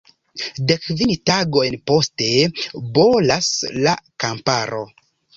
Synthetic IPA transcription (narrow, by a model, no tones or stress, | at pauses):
dekvintaɡo̞jnpo̞ste̞bo̞laslakampaɾo̞̰